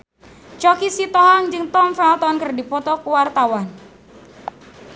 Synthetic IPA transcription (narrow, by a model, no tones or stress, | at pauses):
t͡ʃɔkisit̪ɔɦaŋd͡ʒɨŋt̪ɔmfɛlt̪ɔnkərdipɔt̪ɔkuwart̪awan